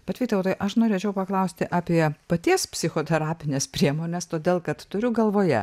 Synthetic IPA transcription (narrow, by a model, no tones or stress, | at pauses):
bʲɛt̪ʋʲiːt̪ɛʋt̪ojʔɐʃnoːɾʲeːt͡ʃʲɛʊpɐklˠɐʊsʲt̪ʲɪʔɑːpʲiɛpɐt̪ʲiɛspʲsʲɪxoːt̪ʲɛɾɑːpʲɪnʲespʲɾʲiɛmoːnʲɛst̪oːd̪ʲeːlˠkɐt̪t̪ʊɾʲʊɡɐlˠʋoːjɛ̰